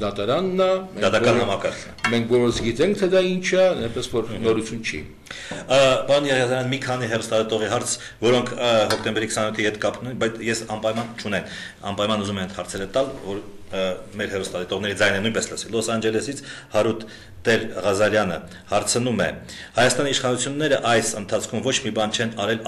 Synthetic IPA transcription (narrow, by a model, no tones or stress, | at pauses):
d̪ɑt̪ɑɾɑnːɑmɛd̪ɑt̪ɑkɑnhɑmɑkɑɾkʰnmɛŋkʰɡɔɾɔsɡit̪ɛŋk̚ʰt̪ʰɛd̪ɑint͡ʃʰənunpɛsvɔɾnɔɾut͡sʰjunt͡ʃʰḭ | pɑɾɔnjɛʁiɑzɑɾjɑnəmikʰɑniɦɛrust̪ɑlit̪ɔʁiɦɑɾt͡sʰ | vɔɾɔŋkʰhɔkt̪ɛmbɛɾikʰsɑnjut̪ʰihɛt̪kɑpnunbɑjt͡sʰjɛsɑmpɑjmɑnt͡ʃʰunɛn | ɑ̰mpɑjmɑnuzumɛnɛt̪hɑɾt͡sʰɛɾət̪ɑlvɔɾ | mɛɾhɛrust̪ɑlɛt̪ɔʁnɛɾid͡zɑjnɛnujnpɛsləsɛlɔsɑnd͡ʒɛlɛsit͡sʰhɑɾut̪ː | ɛɾʁɑzɑɾjɑnə | hɑɾt͡sʰənumɛ̰ | hɑjɑst̪ɑniːʃχɑnut͡sʰjunːɛɾəʔɑjsənt̪ʰɑt͡sʰkʰumvɔt͡ʃʰmibɑnt͡ʃʰɛnɑɾɛl